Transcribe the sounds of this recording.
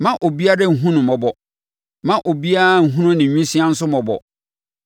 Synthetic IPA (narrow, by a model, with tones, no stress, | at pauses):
mã˦ʔo˨bi˦a˦ɾɛ˦ŋ̩˨ɦũ˦nʊ̃˨mɔ˨bɔ˨ | mã˦ʔo˨bi˦a˦a˦ŋ̩˨ɦũ˦nʊ̃˦nɪ̃˨ɲũ˦si˦ã˦n̩˦sʊ˦mɔ˨bɔ̰˨